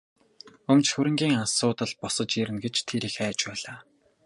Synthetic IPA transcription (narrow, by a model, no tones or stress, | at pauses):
ɵmt͡ɕxɵɾɘ̆ŋɡʲiːŋasʊːt̪ə̆ɮpɔsə̆t͡ɕiɾɘ̆nɡet͡ɕt̪ʰeɾiːxæːt͡ɕpæːɮaː